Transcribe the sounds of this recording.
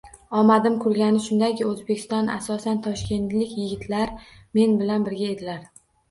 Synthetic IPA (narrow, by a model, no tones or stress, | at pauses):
ɒmad̪ɪmkʰʊlɡʲanɪʃʊnd̪akʲɪɵzbe̞kʲʰɪ̥st̪ɒna̰sɒsant̪ʰɒʃkʲe̞nt̪lɪkʲjɪɡʲɪt̪ʰlaɾ | me̞nbɪlanbɪɾɡʲae̞d̪ɪlaɾ